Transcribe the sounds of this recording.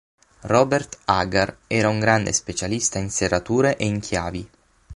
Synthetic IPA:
rɔːbert̪aɡarɛːɾauŋɡɾand̪ḛspet͡ʃalist̪ainserːat̪uːɾeʔeiŋkʰjaːvi

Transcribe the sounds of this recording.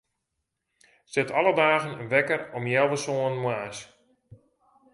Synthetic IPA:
sɪtʰalˠədaːɣənənʋɛkəɾɔmjɛlˠʋəsoənəmwaːs

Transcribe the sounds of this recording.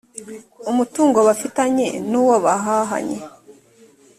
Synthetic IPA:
umutuːŋɡoβafitaɲe̞̰nuːwoβaɦaɦa̰ɲḛ

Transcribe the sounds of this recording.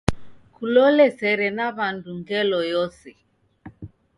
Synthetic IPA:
kulɔlɛsɛɾɛnaβanduŋɡɛlɔjɔsɛ

